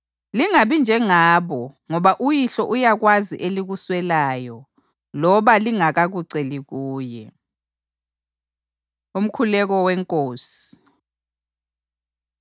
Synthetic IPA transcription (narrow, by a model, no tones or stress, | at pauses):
liŋaβind͡ʒʱɛŋaːβɔŋɔβaʔujiɬɔʔujaɣwaziʔeliɣuswɛlaːjɔ | lɔβaliŋaɣaɣuǀeliɣuːjɛ | um̩kʰulɛɣɔwɛŋkʼoːsi̥